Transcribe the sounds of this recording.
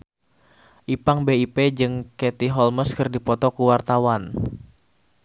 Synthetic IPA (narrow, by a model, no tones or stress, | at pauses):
ʔipaŋbeiped͡ʒɨŋkɛt̪iɦɔlməskɨrdipɔt̪ɔkuwart̪awan